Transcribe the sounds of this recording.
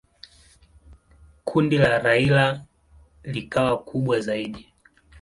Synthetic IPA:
kʰundilaɾaila | likawakʰuɓwazaiɗi

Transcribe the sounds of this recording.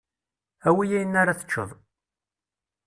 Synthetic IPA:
æwijæjənːaɾaθə̥t͡ʃːə̰ðˤ

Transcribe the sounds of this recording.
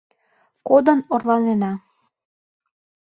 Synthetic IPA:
kod̪ənorlɑnenɑ

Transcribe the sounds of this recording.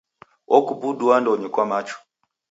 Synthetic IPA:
ɔkubuduandɔɲikwamat͡ʃu̥

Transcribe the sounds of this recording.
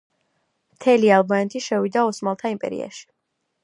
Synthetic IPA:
mt̪ʰɛlialˠbanɛt̪ʰiʃɛvid̪aɔsmalˠt̪ʰaimpʼɛ̰ɾḭa̰ʃi̥

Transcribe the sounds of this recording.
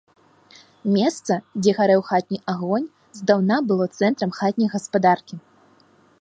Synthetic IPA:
mʲɛst̪sɐd͡zʲɛɣaɾɛwxat̪̚ʲnʲijʔaɣɔnʲ | zd̪awnabɨlˠɔt̪sɛnt̪ɾɐmxat̪ʲnʲɐjɣɐspad̪arkʲi

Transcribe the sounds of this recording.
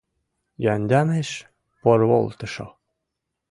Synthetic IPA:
jɑnʲd̪ʲɑneʃ | porβo̰lˠt̪ɤ̆ʃo̰

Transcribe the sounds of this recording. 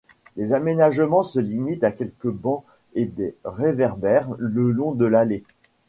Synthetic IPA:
lezamenaʒmɑ̃səlimit̪akʲɛlkəbɑ̃ | ed̪eʁevɛʁbɛʁləlɔ̃d̪əlale

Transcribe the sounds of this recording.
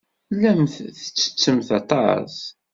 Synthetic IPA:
lːæmθθə̥t͡sːə̥t͡sːəmθɑt̪ˤɑ̰s

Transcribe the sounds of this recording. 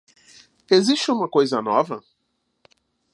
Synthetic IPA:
eziʃt͡ʃɪũmɐkojzɐnɔvɐ

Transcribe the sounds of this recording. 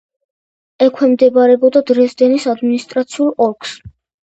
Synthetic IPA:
ɛkʰwɛmd̪ɛbaɾɛbɔd̪ad̪ɾɛsd̪ɛnisad̪minist̪ʼɾat̪sʰiulˠɔɾkʰʼs

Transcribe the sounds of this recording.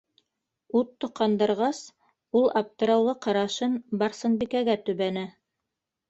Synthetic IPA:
ut̪ːŏqːɑnd̪ɤ̆ɾʁɑs | ulˠɑp̚t̪ɤ̆ɾɑwlˠɤqɑɾɑʃɤnbɑrsɤ̆nbikæɡæt̪ɵ̆βænæ

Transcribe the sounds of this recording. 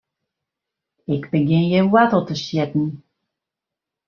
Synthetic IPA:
ɪkbəɡɪnjəwatəlˠtəʃjɛtn̩

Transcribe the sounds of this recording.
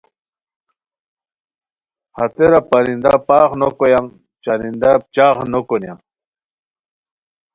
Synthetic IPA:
hat̪eɾapaɾind̪apaχnokojam | t͡ʃaɾind̪ap̚t͡ɕaːχnokunja̰m

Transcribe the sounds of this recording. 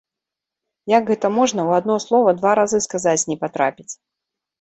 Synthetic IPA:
jaɡɣɛt̪ɐmɔʐnɐwad̪nɔslˠɔvɐd̪vaɾazɨskazat͡sʲnʲɛpat̪ɾapʲit͡sʲ

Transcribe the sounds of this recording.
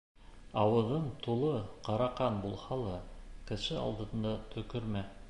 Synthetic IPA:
ɑwɤ̆ðɤɴt̪ʰulˠɤqɑɾɑqɑnbulˠhɑlˠɤkɘ̆ʃɘɑ̰lˠd̪ɤ̆nd̪ɑt̪ʰɵ̆kɵ̆ɾmæ

